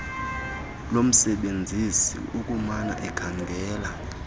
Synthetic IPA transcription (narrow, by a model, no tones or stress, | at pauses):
lom̩sɛɓend͡zʱisḭukʼumana̰ʔɛɡ̥ʰaŋɡʱɛːla